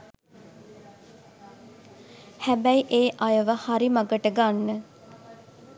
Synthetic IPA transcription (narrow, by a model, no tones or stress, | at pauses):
hæbæjʔeːʔajəʋəhaɾimaɡəʈəɡanːə